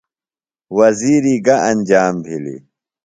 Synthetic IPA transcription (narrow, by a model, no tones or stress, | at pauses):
wɐziːɾiːɡɐʔɐnd͡ʑaːmbʱilḭ